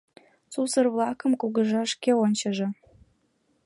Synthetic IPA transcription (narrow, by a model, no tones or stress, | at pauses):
t͡susərvlˠɑkə̆mkuɣə̆ʒɑʃkʲeonʲt͡ɕə̆ʒĕ